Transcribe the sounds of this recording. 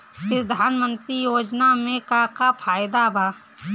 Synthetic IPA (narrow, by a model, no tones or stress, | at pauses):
pɾəd̪ʱaːnmə̃nt̪ɾijoːd͡ʒnamẽkakapʰaːjd̪abʱaː